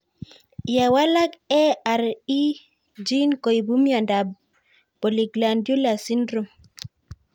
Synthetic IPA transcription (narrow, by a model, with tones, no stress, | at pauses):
ja˨wa˦la˦kɛ˦a˨ɾi˦ | d͡ʒi˦nko˨i˨bu˦mja˨nda˨ | bo˨li˨ɡla˨ndju˦la˨si˦ndɾu˦˨m